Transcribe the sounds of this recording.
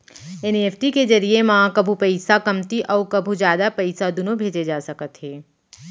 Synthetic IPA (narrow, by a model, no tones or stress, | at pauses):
eneːpʰʈikezɐɾiemaãkɐbʱupɐɪsakɐmt̪iʔɔːɾkɐbʱud͡ʒjaːd̪apɐɪsad̪ʊnõbʱeːd͡ʒed͡ʒaːsɐkət̪ɦeː